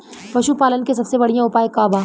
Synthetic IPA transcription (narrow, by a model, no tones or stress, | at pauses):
pɐʃupaːlənkesɐbsebɐɽijãʊpaːekaːbaː